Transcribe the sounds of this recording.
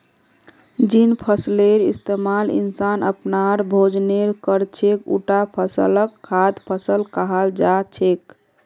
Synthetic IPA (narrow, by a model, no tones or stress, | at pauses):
d͡ʒinpʰəsleɾist̪emalḭnsanə̰pnaɾbʱod͡ʒneɾkəɾt͡ʃʰekṵʈapʰəsə̰ləkʰːad̪pʰəsəlkəɦəld͡ʒat͡ʃʰek